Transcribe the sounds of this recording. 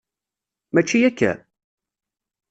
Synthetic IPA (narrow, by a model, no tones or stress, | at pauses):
mæt͡ʃːijækːæ̰